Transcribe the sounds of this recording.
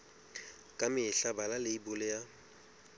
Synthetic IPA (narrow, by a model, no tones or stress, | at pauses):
kʼamɪɬabalalɪibʊlɪja